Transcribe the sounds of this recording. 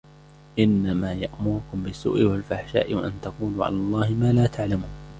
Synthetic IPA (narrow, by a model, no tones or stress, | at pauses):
ʔɪnːamaːjaʔmʊɾʊkʊmbɪsːṵːʔɪwalfaħʃa̰ːʔɪwaʔant̪aquːluːʕa̰laːlˤːɑːhɪmaːlaːt̪ʰaʕlamuːn